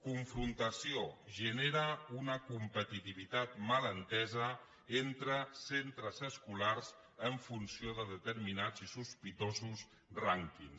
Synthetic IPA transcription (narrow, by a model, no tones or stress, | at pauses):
kuɱfɾunt̪əsioʒəneɾəunəkumpət̪it̪iβit̪at̪mələnt̪ɛzə | ent̪ɾəsent̪ɾəzəskularz | əɱfunsioðəðət̪əɾminad͡zisuspit̪ozus | raŋkins